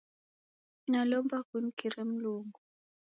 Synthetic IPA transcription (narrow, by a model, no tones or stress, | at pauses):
nalɔmbakun̩kiɾem̩luːŋɡu